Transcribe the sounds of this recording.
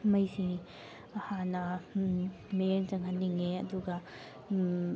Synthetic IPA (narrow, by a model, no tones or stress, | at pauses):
mɐjsi | ɐhanːɐ | ment͡ʃɐŋɦɐnːiŋeɐduɡɐ